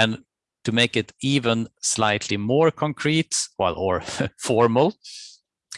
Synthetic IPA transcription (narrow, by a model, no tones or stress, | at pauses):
ɨ̃n | tʰɨmeɪkɨtivə̃nslaɪtʰlimɔɹkʰɔ̃ŋkʰɹ̥itwa̰lə˞fɔɹml̩ˠ